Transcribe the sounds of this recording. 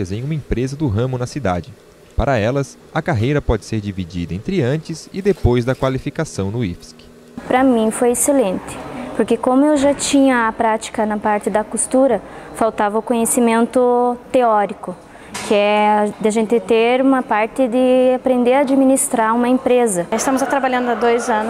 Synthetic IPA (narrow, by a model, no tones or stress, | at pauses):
ɐzẽj̃ũmɐẽpɾezɐd̪ʊɦɐ̃mʊnɐsid̪a̰d͡ʒɪ | paɾɐɛlɐs | ɐkaɦejɾɐpɔd͡ʒɪseɾd͡ʒivid͡ʒḭd̪ɐẽnt̪ɾɪɐ̃nt͡ʃɪzɪd̪epojzd̪ɐkwalifikasɐ̃w̃nʊḭfsk | pɾɐmĩfojeselẽnt̪ɪ̥poɾkekõmʊewʒat͡ʃĩɲɐːpɾat͡ʃi̥kɐnɐpaɾt̪ɪd̪ɐkust̪uɾɐfawt̪avɐʊkõɲesimẽnt̪ʊt̪eɔɾikʊ | kɪɛd̪ɪaʒẽnt̪ɪt̪eɾũmɐpaɾt̪ɪd̪ɪapɾẽnd̪eɾaːd͡ʒimĩnist̪ɾaũmɐẽmpɾezɐɪst̪ɐ̃mʊzat̪ɾabaʎɐ̃nd̪ʊad̪ojzɐ̃nʊ